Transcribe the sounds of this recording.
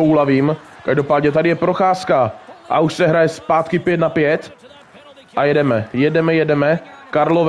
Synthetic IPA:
owlaviːmkaʒdo̞paːd̪ɲɛt̪adɪjɛpɾo̞xaːskaʔa̰uʃsɛɦɾajɛspaːt̪kɪpjɛt̪napjɛt̪ | ʔajɛdɛmɛjɛdɛmɛjɛdɛmɛkaɾlov

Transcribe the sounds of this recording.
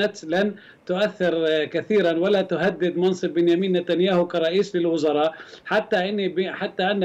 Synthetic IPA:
at̪lan | t̪ʊʔaθːɪɾkaθiːɾanwalat̪ʊɦad̪ːɪd̪mɑnsˤɨbːɪnjamiːnːat̪anjaːhʊkɑɾˤɑʔiːslɪlwʊzɑɾˤɑːʔħat̪ːaʔɪnːibħat̪ːaʔanː

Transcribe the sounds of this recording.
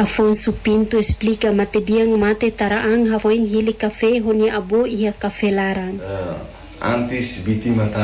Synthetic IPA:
afonsupint̪uesplikamat̪ebiaŋmat̪et̪aɾaʔaŋɦafoiŋɦilikafeɦoniaʔaboiɦakafelaɾan | a̰nt̪isbit̪imat̪a

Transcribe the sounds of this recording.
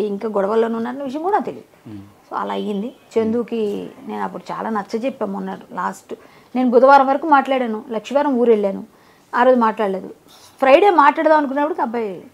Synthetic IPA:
iŋkaːɡɔɽɐʋɐlːoːnunːaːɾɐnːɐʋiʂ̬jɐ̃ŋkuːɽaːt̪e̞lḭːd̪ | so̰ːɐ̰laːɐjind̪it͡ʃend̪uːkine̞ːnɐpːuɽut͡ʃa̰ːlaːnɐt͡ʃːɐt͡ʃepːaːmunːaːɽula̰ːsʈ | ne̞ːnubud̪ɐʋaːɾɐmʋɐɾɐkuːmaːʈlaːɽaːnulɐkʂiʋaːɾɐmuːɾe̞ɭːaːnu | aːɾoːd̪imaːʈlaːɽleːd̪ṵ | pʰɾɐjɽeːmaːʈlaːɽɐt̪aːmɐnuk̬unːɐpːuɽukʲɐbɐj

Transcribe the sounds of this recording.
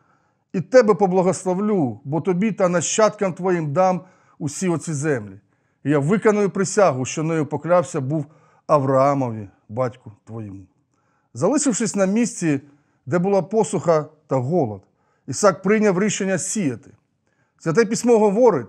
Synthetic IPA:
it̪ɛbɛpɔblˠɐɦɔslˠɔwlʲubɔt̪ɔbʲit̪ɐnɐʃt͡ʃːat̪kɐmt̪ʋɔjimd̪ɑm | usʲiɔsʲizɛmlʲi | jaʋɪkɐnʊjʊpɾɪsʲaɦʊʃt͡ʃɔnɛjʊpɔklʲawsʲɐbuw | ɐʋɾɐamɔʋʲi | bɑtʲkʊt̪ʋɔjimʊ | zɐlˠɪʂɪwʂɪsʲnɐmʲisʲt͡sʲi | d̪ɛbʊlˠɑpɔsʊxɐt̪ɐɦɔlˠɔd̪ | isɑk̚pɾɪnʲɐwɾʲiʃenʲːɐsʲijɐt̪ɪ̥ | zʲɐt̪̬ɛp̬ʲisʲmɔɦɔʋɔɾɪt̪ʲ

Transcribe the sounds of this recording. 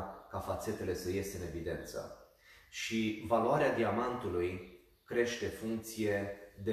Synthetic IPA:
kafat̪se̞t̪e̞le̞səje̞st̪eɨne̞vid̪e̞̰nt̪sə̰ | ʃivaluaɾead̪iamant̪uluj | kɾe̞ʃt̪e̞fuŋk̚t̪sije̞d̪e

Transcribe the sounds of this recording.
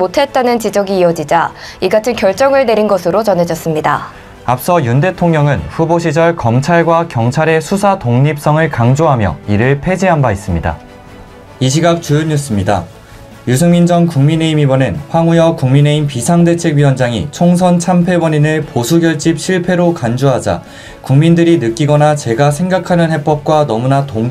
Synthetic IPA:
otʰe̞t̚t͈anɯnt͡ɕid͡ʑʌɡiːʌd͡ʑid͡ʑaiɡatʰɯnkjʌɭt͡ɕ͈ʌŋɯɭne̞ɾinɡʌsʰɯɾot͡ɕʌne̞d͡ʑʌs͈ɯmɲida̰ | ap̚s͈ʌjunde̞tʰoŋɲʌŋɯnɸuboɕ̬ʰid͡ʑʌɭkʌmt͡ɕʰaɭɡwakjʌŋt͡ɕʰaɾe̞sʰusʰatoŋɲip̚s͈ʌŋɯɭkaŋd͡ʑoɦamjʌ̰iɾɯɭpʰe̞d͡ʑiɦambais͈ɯmɲida̰ | iɕ̬ʰiɡak̚t͡ɕujoɲus͈ɯmɲida̰ | jusʰɯŋmind͡ʑʌŋkuŋmine̞imibʌnenɸwaŋujʌkuŋmine̞impisʰaŋde̞t͡ɕʰe̞ɡɥiwʌnd͡ʑaŋḭt͡ɕʰoŋsʰʌnt͡ɕʰampʰe̞wʌɲinɯɭposʰuɡjʌɭt͡ɕ͈ip̚ɕʰiɭpʰe̞ɾokand͡ʑoɦad͡ʑa̰ | kuŋmindɯɾinɯk͈iɡʌnat͡ɕe̞ɡasʰe̞ŋɡakʰanɯnhe̞p͈ʌp̚k͈wanʌmunatoŋ

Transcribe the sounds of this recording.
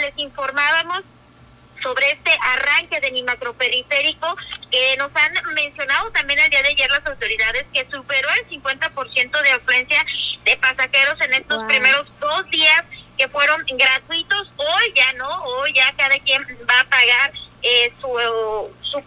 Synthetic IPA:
le̞siɱfo̞ɾmaβamo̞sː | o̞βɾe̞e̞st̪e̞ʔaraŋke̞ðenimakɾo̞pe̞ɾife̞ɾiko̞keno̞sanmẽ̞nsjo̞naðo̞t̪ambje̞nald̪iað̞eaʝe̞ɾlasawt̪o̞ɾiðað̞e̞ske̞supe̞ɾo̞elsiŋkwe̞nt̪apo̞ɾsje̞nt̪o̞ð̞eaflwe̞nsjaðe̞pasaxe̞ɾo̞se̞ne̞st̪o̞spɾime̞ɾo̞zd̪o̞zd̪iaske̞fwe̞ɾo̞ŋɡɾat̪wit̪o̞so̞jʝano̞ojʝakaðakjenbaːpaɣaɾesu | su

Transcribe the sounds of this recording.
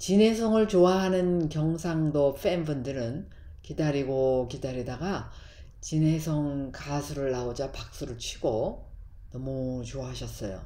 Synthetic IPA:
t͡ɕine̞sʰʌŋɯɭt͡ɕoaɦanɯnkjʌŋsʰaŋdopʰembɯndɯɾɯn | kidaɾiɡokidaɾidaɡa | t͡ɕine̞sʰʌŋkasʰuɾɯɭːaod͡ʑapak̚s͈uɾɯɭt͡ɕʰiɡo | nʌmut͡ɕoaɦaɕʰʌs͈ʌjo̰

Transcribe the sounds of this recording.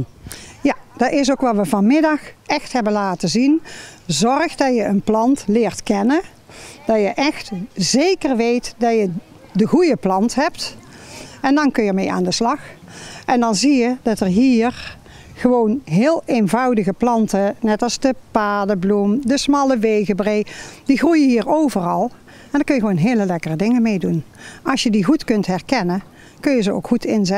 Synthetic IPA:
jad̥ɑtɪs̬owkʋɑʋəvɑnmɪdɑxʔɛxtɦɛbənlaːtəzinzɔrxdɑjəənplɑntlɪːɹtkɛnə | d̥ɑjəʔɛxtzejkərʋejtdɑjə | dəɣujəplɑntɦɛpt | ɛndɑnkɵjəmeja̰ːndəslɑxʔɛndɑnzijədɑtərɦiːɹ | χəʋownɦɪːlˠenvɑwdəɣəplɑntənɛtɑlˠzdəpaːdəblumdəsmɑləʋejɣəbrejd̥iɣrujəɦiːɹowvərɑlˠ | ɛndəːɹkɵnjəɣəʋoːnɦeːləlɛkərədɪŋənmejdunɑsjədiɣutkɵntɦɛɹkɛnən | kɵnjəzəo̰wkχutɪnzɛ

